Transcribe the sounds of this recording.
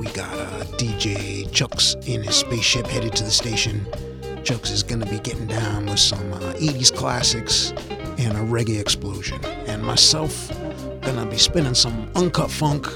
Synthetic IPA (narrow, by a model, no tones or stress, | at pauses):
wiɡɑ̰ɾʌ̰d̥id͡ʒeɪt͡ʃʰoʊksɪ̃nɨz̥speɪsʃɪphɛɾɨd̚tʰɨðɨsteɪʃɨ̃n | t͡ʃʰoʊksɨzɡʌnɨbiɡɛʔɪ̃ŋ̩dãʊ̃nwɨð̥sʌ̃meɪɾiz̥kʰl̥æsɨks | ɨ̃nəɹɛɡiɨksploʊʒɨ̰̃nɨ̃nmaɪsɛlˠf | ɡ̥ʌnəbispɛ̃ɾ̃ɪ̃ŋsʌ̃mʌ̃nkʰʌtfʌ̃ŋk